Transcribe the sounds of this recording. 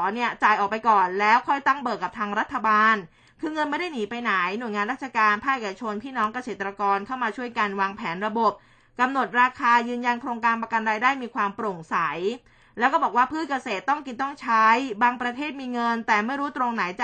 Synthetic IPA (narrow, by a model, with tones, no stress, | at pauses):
ni˥˩ɐt͡ɕaː˨˩jʔɔː˨˩k̚pa˧jkɔː˨˩nlɛː˦˥wkʰɔ˥˩jt̪a˥˩ŋbɤː˨˩kːa˨˩p̚t̪ʰaː˧ŋɾa˦˥t̪ʰːa˧baː˧n | kʰɯː˧ŋɤ˧nma˥˩jda˥˩jniː˩˦pa˧jna˩˦jnu˨˩jŋaː˧nɾa˥˩t͡ɕʰa˧kaː˧npʰaː˥˩kʔeː˨˩ka˧t͡ɕʰo˧npʰiː˥˩nɔː˦˥ŋka˧seː˨˩t̪ːɾa˧kɔː˧nkʰa˥˩wmaː˧t͡ɕʰu˥˩əjka˧nwaː˧ŋpʰɛː˩˦nɾa˧bo˨˩p̚ | ka˧mno˨˩t̪̚ɾaː˧kʰaː˧jɯː˧nja˧nkʰɾoː˧ŋkaː˧npa˧ka˧nɾaː˧jdaː˥˩jmiː˧kʰwaː˧mpɾo˨˩ŋsa˩˦j | lɛ˦˥wkɔː˥˩bɔː˨˩k̚waː˥˩pʰɯː˥˩t̪̚ka˧seː˨˩t̪ːɔ˥˩ŋki˧nt̪ɔ˥˩ŋt͡ɕʰa˦˥jbaː˧ŋpɾa˧t̪ʰeː˥˩t̪̚miː˧ŋɤ˧nt̪ɛː˨˩ma˥˩jɾuː˦˥t̪ɾo˧ŋna˩˦jt͡ɕ